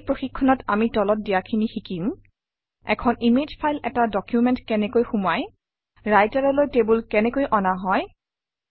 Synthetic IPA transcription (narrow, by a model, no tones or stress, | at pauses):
pɹoxikʰːɔnɔtamitɔlɔt̚dijakʰinixikim | ɛ̰kʰɔnimed͡ʒpʰajlɛtadɔkjumɛntkɛnɛkojxumaj | ɹajtaɹɔlojtebulkɛnɛkojʔɔnaɦɔj